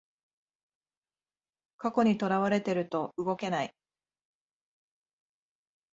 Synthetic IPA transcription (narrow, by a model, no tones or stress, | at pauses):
kako̞ɲ̟it̪o̞ɾaβaɾe̞t̪e̞ɾɯ̟t̪o̞ɯɡo̞ke̞nai